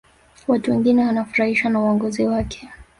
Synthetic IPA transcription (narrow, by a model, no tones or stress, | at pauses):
watuwɛŋɡinɛwanafuɾahiʃwanauɔŋɡɔziwakʰɛ̥